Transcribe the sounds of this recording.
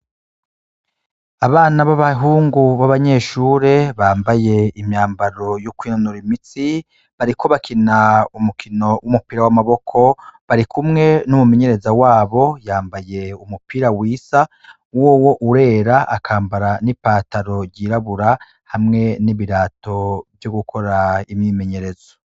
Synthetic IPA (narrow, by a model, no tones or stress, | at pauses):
aβaːnaβaβaɦuːŋɡuβaβaɲe̞ːʃuːɾeβaːmbaje̞imɲaːmbaɾo̞jukwiːnonuɾimit͡si | βaɾikʰo̞βakʰinaumukʰino̞wʔumupiːɾawamaβo̞kʰo̞βaɾikʰumŋe̞numume̞ɲe̞ɾe̞zawaːβo̞jaːmbaje̞umupiɾawiːsa | woːwo̞ʔuɾe̞ːɾaʔakʰaːmbaɾanipaːtaɾo̞ɟiːɾaβuɾa | hamŋe̞niβiɾaːto̞bjoɡukʰo̞ɾaimɲiːme̞ɲe̞ɾe̞zo